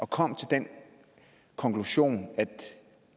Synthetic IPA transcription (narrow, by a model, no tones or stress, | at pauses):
ʔɒ̽kʰɒ̽m̰t͡sʰe̝ld̥en | kʰɒ̽ŋkʰluɕo̝̰ːnæd̥